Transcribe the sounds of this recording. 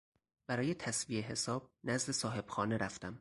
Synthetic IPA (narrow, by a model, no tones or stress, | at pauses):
b̥æɾɒːje̞t̪ʰæsvieɦe̞sɒːb̥̚næzd̪e̞sɒːɦe̞b̥xɒːneɾæft̪æm